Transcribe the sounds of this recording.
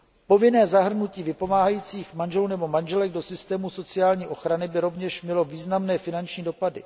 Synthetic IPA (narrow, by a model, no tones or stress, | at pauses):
po̞vɪnɛːzaɦr̩nuciːvɪpo̞maːɦajiːt͡siːxmanʒɛlnɛbo̞manʒɛlɛɡ̚do̞sɪst̪ɛːmuso̞t͡sɪaːlɲiːʔo̞xɾanɪbɪɾo̞vɲɛʃmɲɛlo̞viːznamnɛːfɪnant͡ʃɲiːdo̞padɪ̰